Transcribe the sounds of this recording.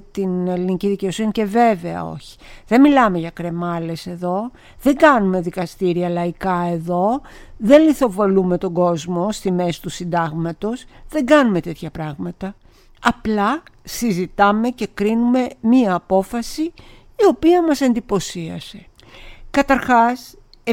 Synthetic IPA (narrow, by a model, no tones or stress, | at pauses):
t̪ine̞liniciðice̞o̞sinice̞ve̞ve̞ɐ̰o̞̰çi̥ðe̞milɐme̞ʝɐkɾe̞mɐle̞se̞ðo̞ | ðe̞ŋɡɐnume̞ðikɐst̪iɾiɐlɐikɐe̞ðo̞ðe̞nliθo̞vo̞lume̞t̪o̞ɡo̞zmo̞st̪ime̞si̥t̪usind̪ɐɣmɐt̪o̞sðe̞ŋɡɐnume̞t̪e̞t̪çɐpɾɐɣmɐt̪ɐ | ɐplɐsizit̪ɐme̞ce̞kɾinume̞miɐːpo̞fɐsiː | o̞piɐmɐse̞nd̪ipo̞siɐ̰se̞ | kɐt̪ɐɾxɐs